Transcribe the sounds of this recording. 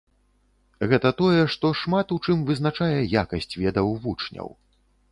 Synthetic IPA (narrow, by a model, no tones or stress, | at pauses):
ɣɛt̪ɐt̪ɔjɛʂt̪ɔʂmat̪ut͡ʂɨmvɨznat͡ʂajɛjakɐsʲt͡sʲvʲɛd̪ɐwvut͡ʂnʲɐ̰w